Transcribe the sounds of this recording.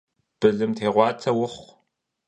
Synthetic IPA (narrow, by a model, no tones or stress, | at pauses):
b̥ɨɮɨmtʰeːʁʷɑːt͡sʰɐwʊχʷ